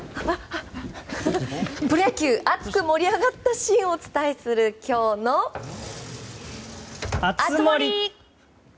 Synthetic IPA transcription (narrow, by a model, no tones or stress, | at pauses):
pɯ̟ɾakʲɯːʔat͡sɨkɯ̟mo̞ɾʲiaɡat̪ːaɕĩɰ̃o̞t͡sɨ̥t̪aesɨɾɯ̟kʲo̞ːno̞ | aɨmoɾʲi